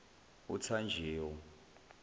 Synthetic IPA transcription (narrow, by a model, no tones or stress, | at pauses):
ut͡sʰand͡ʒʱeːwɔ